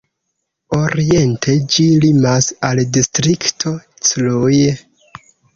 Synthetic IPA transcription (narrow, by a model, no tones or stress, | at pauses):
o̞ɾie̞ntʰe̞d͡ʒilimasaldistɾiktʰo̞ | t͡sluj